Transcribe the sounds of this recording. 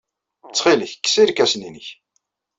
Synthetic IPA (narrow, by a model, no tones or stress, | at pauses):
ət͡sːχiləçkːsiɾkæsninəç